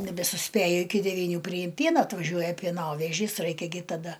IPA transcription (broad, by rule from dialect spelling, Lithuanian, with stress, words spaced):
nʲɛbʲɛsʊˈsʲpʲeːjʊ ɪˈkʲɪ dʲɛʋʲiːˈnʲuː pʲrʲɪˈjɪm ˈpʲiɛnɐ ɐtʋɐˈʒʲuɔjɛ pʲiɛˈnoːʋʲɛʒʲiːs ˈrɐɪkʲɛ ɡʲɪ tɐˈdɐ